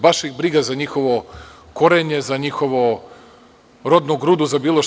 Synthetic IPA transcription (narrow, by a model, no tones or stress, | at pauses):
baʃixbɾiɡazaɲixo̞ʋo̞ | koɾeɲe̞zaɲixo̞ʋo | ɾod̪nuɡɾud̪uzabiːlˠo